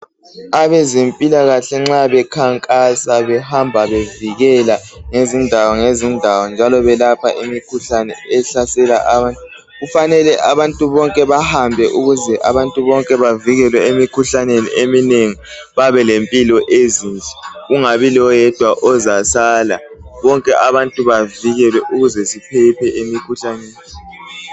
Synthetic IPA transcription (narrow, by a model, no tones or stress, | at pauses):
aβɛzempʼilaɣaɬɛŋ͡ǁaβɛkʰaŋkʼasaβɛhambʱaβeviɣɛlaŋezindʱawɔŋezindʱawɔnd͡ʒʱalɔβɛlapʰa̰ʔimikʰuɬanɛ̰ɛɬasɛlaʔaβantʼu | ɣufanɛlɛʔaβantʼuβɔŋkʼɛβahambʱɛʔuɣuzɛʔa̰βantʼuβɔŋkʼɛβaviɣɛlwɛemikʰuɬanenḭʔemineŋi | βaβɛlempʼilɔʔezint͡ʃʼɛuŋaβilɔjɛd̥ʱwaʔɔzasaːlaβɔŋkʼɛʔaβantʼuβaviɣɛlwɛʔuɣuzɛsipʰɛpʰɛʔemikʰuɬaneːni